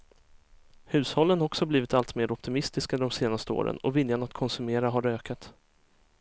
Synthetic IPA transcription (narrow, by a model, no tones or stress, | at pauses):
hʉ̟ːshɔlːənhɔksɔhabliːvɪt̪alt̪meːɾɔp̚t̪ɪmɪst̪ɪskad̪ɔmseːnast̪əo̰ːɾə̰nɔ̰vɪljanat̪kʰɔnsɵmeːɾaɦaɾøːkʰat̪